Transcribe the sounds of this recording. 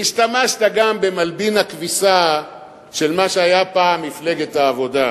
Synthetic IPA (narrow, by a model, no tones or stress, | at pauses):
iʃtamaʃt̪aɡambe̞malbinhakvisa | ʃe̞lmaʃeajapaːmːifle̞ɡetaːvo̞d̪a